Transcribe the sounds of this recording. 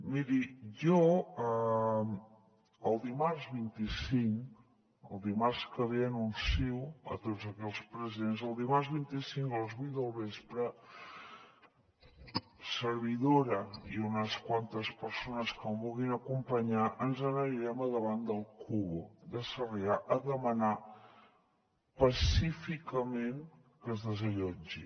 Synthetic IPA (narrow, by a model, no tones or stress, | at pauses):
miɾiʒɔə | əlˠd̪imarzβint̪isiŋk | ə̰lˠd̪imarskəβeənunsiwə̰t̪odzəkɛlspɾəziðenzəlˠd̪imarzβ̞int̪isiŋkələzβujt̪̚d̪əlˠβespɾə | səɾβiðoɾəiunəskwant̪əspəɾsonəskəmβulɣinəkumpəɲaʔənzənəɾiɾɛməðəβand̪əlˠkʰuβod̪əsəriaʔəðəməna | pəsifikəmeŋ | kəzðəzəʎɔd͡ʒḭ